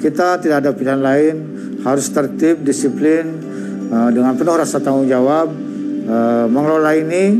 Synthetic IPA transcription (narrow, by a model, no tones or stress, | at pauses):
kit̪at̪idakadapilɦanlaɪn | haɾʊst̪ərt̪ɪp̚disiplɪn | ədəŋanpənʊhrasat̪aŋʊŋd͡ʒawab̚ | əməŋlolaini